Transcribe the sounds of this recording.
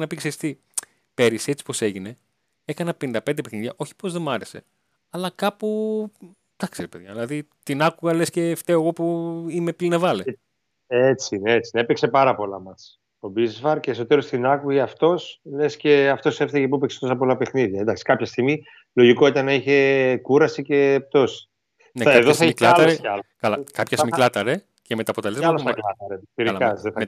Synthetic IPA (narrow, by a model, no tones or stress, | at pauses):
nɐpikseɾist̪i | pe̞ɾise̞t͡si̥po̞se̞ʝine̞ | e̞kɐnɐpenind̪ɐpe̞nd̪epexniðʝɐʔo̞çi̥po̞zðe̞mɐɾe̞se̞̰ | ɐlɐkɐpu | t̪ɐkseɾepe̞ðʝɐ̰ðilɐðit̪inɐkuɣɐlesce̞ːft̪eoɣo̞puime̞plinɐvɐle | et͡sineet͡sineepekse̞pɐɾɐpo̞lɐ̰mɐs | o̞bizvɐɾceːso̞t̪e̞ɾost̪inɐkuiɐft̪o̞sle̞sce̞ɐft̪o̞sefθɐʝep̬uepekse̥t̪o̞sɐpo̞lɐpe̞xniðʝɐend̪ɐksi̥kɐpçɐst̪iɣmi | lo̞ʝiko̞it̪ɐnɐiçe̞kuɾɐsice̞ːp̚t̪o̞si̥ | nekɐeðoθɐmklɐlɐɾɐkɐlɐkɐpçesmilɐt̪ɐɾe̞ | cemet̪ɐpo̞t̪e̞le̞zɐlɐklɐt̪ɐɾetiɾilɐkɐsðem